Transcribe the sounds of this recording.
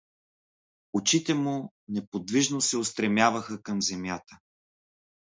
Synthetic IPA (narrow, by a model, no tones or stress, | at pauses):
ot͡ʃit̪ɛmu | nɛpod̪viʒnosɛost̪ɾɛmjavɐxəkɐmzɛmjat̪ə